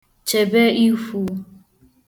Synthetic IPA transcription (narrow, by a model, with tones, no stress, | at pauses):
t͡ʃe˨be˦i˦fu˨